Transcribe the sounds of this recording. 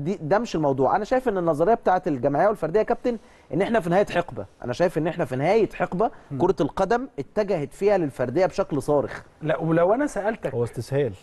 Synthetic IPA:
d̪id̪æmeʃelmɑwd̪ˤuːʕʔænæʃæːjefʔenːenːɑzˤɑɾejːɑbe̥t̪aːʕet̪elɡæmʕejːæwelfɑɾˤd̪ejækæb̚t̪en | ʔenːʔeħnæfinehæːjæt̪ħeqbæʔæ̰næʃæːjefʔenːʔeħnæfinehæːjet̪ħeqbækoɾˤɑt̪lqɑd̪æmʔet̪ːæɡæhæt̪fiːhælelfɑɾˤd̪ejːæbeʃæklsˤɑːɾḛxlæʔwelæwʔænæsæʔælt̪æhowːæst̪eshæːl

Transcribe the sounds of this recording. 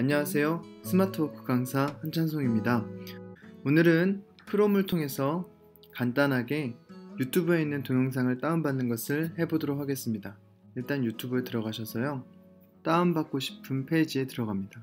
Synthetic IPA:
aɲːʌwas̬ʰe̞jo | sʰɯmatʰɯokʰɯ̥ɡaŋsʰahant͡ɕʰans̬ʰoŋimɲida | onɯɾɯn | pʰɯɾomɯɭtʰoŋe̞sʰʌ | kant͈anɦaɡe̞jutʰubue̞inːɯntonoŋsʰaŋɯɭt͈aɯmbanːɯnɡʌsʰɯɭhe̞bodoɾok̚ʰhaɡe̞s͈ɯmɲida | iɭt͈anjutʰubɯɭtɯɾʌɡaɕʰʌsʰʌjo | t͈aɯmbak̚k͈oɕʰi̥pʰɯnpʰe̞d͡ʑie̞tɯɾʌɡamɲida

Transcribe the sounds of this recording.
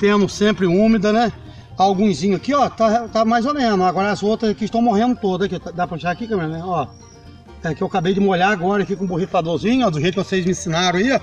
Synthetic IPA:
p̪ẽnʊsẽmpɾɪũmɪd̪ɐnɛ | awɡũzĩɲʊɐkiɔt̪at̪amajzolẽnʊaɡɔɾɐɐzowt̪ɾɐzakiʃt̪ɐ̃w̃moɦẽnd̪ʊt̪od̪ɐzkɪt̪ad̪apɾɐʃakikɐ̃mẽnɛɔ | ɛkɪewakabejd͡ʒɪmoʎaaɡɔɾɐkikõboɦifad̪ozĩɲʊɔd̪ʊɦejkewsejzmĩsinaɾɐ̃aiɔ

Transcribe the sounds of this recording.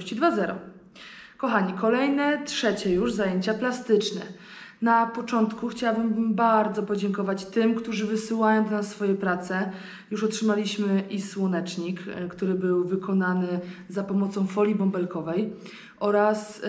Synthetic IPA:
ɕt͡ɕid̪vazɛɾɔ̰ | kɔxaɲikɔlɛjnɛtʂɛt͡ɕɛjuʐzajeɲt͡ɕaplast̪ɘt͡ʂnɛ̰ | napɔt͡ʂɔnt̪kuxt͡ɕawabɘmbaɾd̪zɔpɔd͡ʑɛŋkɔvat͡ɕt̪ɘmkt̪uʐɘvɘsɘwajɔ̃w̃d̪ɔnasːfɔjɛpɾat̪sɛ | juʂɔtʂɘmalʲiɕmɘʔiswɔnɛt͡ʂɲikkt̪uɾɘbɘwvɘkʰɔnanɘzapɔmɔt̪sɔ̃w̃fɔlʲibɔmbɛlkɔvɛj | ʔɔɾas

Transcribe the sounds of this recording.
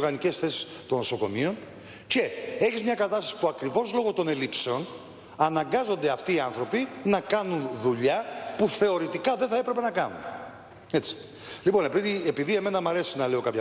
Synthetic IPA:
ɣɐnice̞sθe̞si̥st̪o̞nːo̞so̞ko̞̰mio̞n | ce̞e̞çizmɲɐkɐt̪ɐst̪ɐ̥si̥puɐkɾivo̞zlo̞ɣo̞t̪o̞ne̞lipse̞o̞n | ɐnɐŋɡɐzo̞nd̪e̞ɐft̪iːɐnθɾo̞pinɐkɐnunðuʎɐpuθe̞o̞ɾit̪ikɐðe̞nθɐe̞pɾe̞pe̞nɐkɐnṵn | e̞t͡si̥ | lipo̞nepiiepiðie̞me̞nɐmɐɾe̞siznɐle̞o̞kɐpçɐ

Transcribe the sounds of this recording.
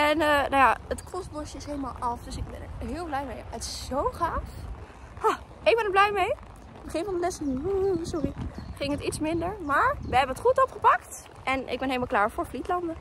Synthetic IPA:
ɛnənawjaːətkɔsbɔsɪsɦejləmalˠʔɑfdøsɪɡ̚bɛ̰nə̰ɹɦɪːlˠblɛjmejətɪ̥szowχaːf | hɔ | ɪɡ̚bɛnəɹblɛjmej | bəχɪnvɑndəlɛsənusɔriχɪŋɦətitsmɪndəɹmaːɹʋəɦɛbənətχutɔpχəpɑkt | ʔɛnʔɪ̰ɡ̚bɛnɦejləmalˠklaːɹvʊːɹflitlɑndə

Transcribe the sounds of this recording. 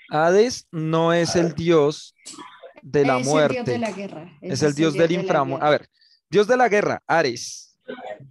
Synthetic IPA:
aðesno̞e̞se̞ld̪jo̞z | d̪e̞lamwe̞ɾt̪e | eseld̪jo̞zd̪eliɱfɾamʔaβe̞ɾ | d̪jozd̪e̞laɣe̞ra̰aɾes

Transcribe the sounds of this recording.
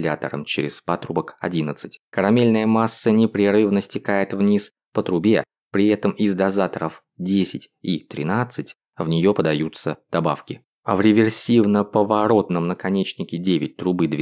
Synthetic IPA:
lʲat̪əɾə̰mt͡ɕeɾʲɪspat̪ɾubəkɐ̰dʲinət̪sɨ̥tʲkəɾɐmʲelʲnəjəmasːənʲɪpɾʲɪɾɨvnəsʲtʲɪkajɪt̪vnʲis | pət̪ɾʊbʲe | pɾʲɪɛt̪əmɪzd̪ɐzat̪əɾəf | dʲesʲɪtʲit̪ɾʲɪ̰nat̪sɨtʲ | vnʲɪjo̞pəd̪ɐjut̪səd̪̥ɐbafkʲɪ | a̰vɾʲɪvʲɪrsʲivnəpəvɐɾo̞t̪nəmnəkɐnʲet͡ɕnʲɪkʲɪdʲevʲɪt̚ʲt̪ɾʊbɨd̪vʲ

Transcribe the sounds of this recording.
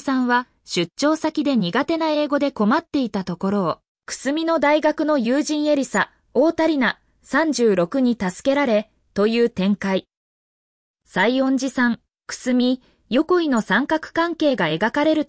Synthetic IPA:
sãɰ̃βa | ɕɨtɕo̞ːsakʲid̪e̞ɲ̟iɡat̪e̞nae̞ːɡo̞d̪e̞ko̞mat̪ːe̞it̪at̪o̞ko̞ɾo̞ː | kɯ̟̥sɨmʲino̞d̪aiɡakɯ̟no̞jɯːʑĩɰ̃e̞ɾʲisa | o̞ːt̪aɾʲina | sãɲd͡ʑɨːɾo̞kɯ̟ɲ̟it̪asɨ̥ke̞ɾaɾe̞ | t̪o̞jɯ̟ːt̪ẽ̞ŋkai | saiõ̞ɲd͡ʑisãŋ | kɯ̥sɨmʲi | jo̞ko̞ino̞sãŋkakɯ̟̥kãŋke̞ːɡae̞ɡakaɾe̞ɾɯ̟

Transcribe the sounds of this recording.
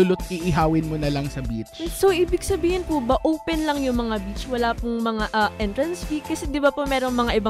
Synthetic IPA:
ʊlot̪̚ʔiʔɪɦaːwɪnmonɐlɐŋsɐbit͡ʃsoʔiːbɪɡsɐbiːhɪnpʊbɐʔoːpɛnlɐŋjʊŋmɐŋabit͡ʃwɐlaːpʊŋmɐŋaʔɐʔɛnt̪ɾɐnsbikɐsɛd̪ɪbapomɛːɾoŋmɐŋaʔɪba

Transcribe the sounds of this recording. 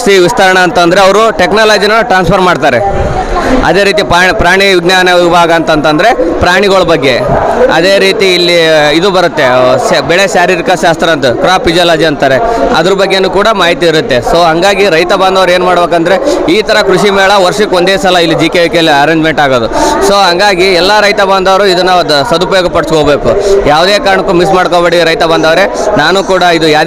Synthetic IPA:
siʋist̪ɐɾɐɳɐːnt̪ɐnd̪ɐɾeɐʋɐɾuʈeknaːlaːd͡ʒinɐɭːʈɾaːnspʰɐɾmaːɽt̪aːɾe | ɐ̰d̪e̞ːɾiːt̪ipaːpɾaːɳiʋiɡnaːnɐʋibʱaːɡɐːnt̪ɐnt̪ɐnd̪ɐɾe̞pɾaːɳiɡɐɭɐbɐɡːe̞ɐ̰d̪e̞ːɾiːt̪iːlːiid̪ubɐɾut̪ːe̞bɛɭeʃaːɾiɾikɐʃaːst̪ɾɐɐnt̪ukɾaːpid͡ʒiaːlaːd͡ʒiɐnt̪aːɾeɐd̪ɐɾɐbɐɡːenukuːɽɐmaːɦit̪iːɾut̪ːe̞soːɦɐŋɡaːɡiɾɐjt̪ɐbaːnd̪ɐʋɐɾe̞ːnumaːɽbeːkɐnd̪ɐɾe̞iːt̪ʰɐɾɐkɾuʂimɛːɭɐʋɐɾʂikond̪eːsɐlɐilːid͡ʒiːkeʋikelːiɐɾeːɲd͡ʒme̞ɳʈaːɡoːd̪usoːɦɐŋɡaːɡiɛlːɐɾɐjt̪ɐbaːnd̪ɐʋɐɾuid̪ɐnːɐd̪usɐd̪upɐjoːɡɐpɐɽiskoɡbe̞ːkujaːʋd̪eːkaːɾɐɳɐkːumis̬maːɽkobeːɽiɾɐjt̪ɐbaːnd̪ɐʋɐɾe | naːnukuːɽɐid̪ujaː

